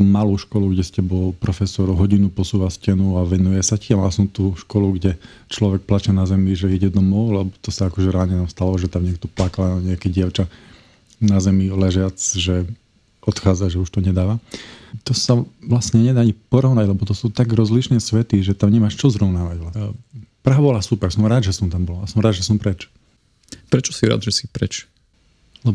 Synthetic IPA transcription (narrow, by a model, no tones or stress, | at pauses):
umaluːʃkɔluɡɟɛscɛbɔlpɾɔfɛsɔɾɦɔɟinupɔsuːʋascɛnuaʋɛnujɛsaciamalasɔmt̪uːʃkɔluɡɟɛ | t͡ʃlɔʋɛk̚plat͡ʃɛnazɛmiʒɛiɟɛd̪ɔmɔʊlɛbɔt̪ɔsaakɔʒɛɾaːɲɛnɔst̪alɔʒɛt̪amɲɪɛkt̪ɔplakalaɲɛakɛɟɪaʊt͡ʃa | nazɛmilɛʒjat͡sʒɛ | ɔt̪xaːd͡zaʒɛuʃt̪ɔɲɛd̪aːʋat̪ɔsaʋlasɲɛɲɛd̪aːaɲipɔɾɔʊnaɟlɛbɔt̪ɔsuːt̪aɡɾɔzliʃnɛːsʋɛt̪iʒɛt̪amɲɛmaːʃt͡ʃɔzɾɔʊnaːʋaɟʋlapɾaɦabɔlasupɛɾsɔmɾaːd̪ʒɛsɔmt̪ambɔlɔasɔmɾaːd̪ʒɛsɔmpɾɛt͡ʃ | pɾɛt͡ʃɔ̥siɾa̰ːd̪ʒɛsi̥pɾɛ̰t͡ʃ | lɛb